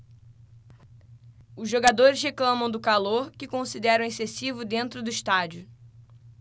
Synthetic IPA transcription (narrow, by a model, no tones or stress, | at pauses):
ʊzʒoɡad̪oɾɪsɦeklɐ̃mɐ̃w̃d̪ʊkaloɾkɪkõsid̪ɛɾɐ̃w̃esesivʊd̪ẽnt̪ɾʊd̪ʊiʃt̪ad͡ʒʊ